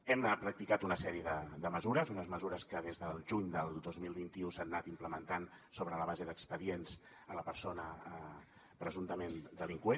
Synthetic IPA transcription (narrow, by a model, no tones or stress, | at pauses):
ɛmpɾək̚t̪ikat̪unəsɛɾiəðəd̪əməzuɾəzunəzməzuɾəskəðezðəlˠʒuɲd̪əlˠd̪ozmilˠβint̪iusanːat̪impləmənt̪ansoβɾələβazeðəkspəðienz | ələpəɾsonə | pɾəzunt̪əmend̪əliŋkwe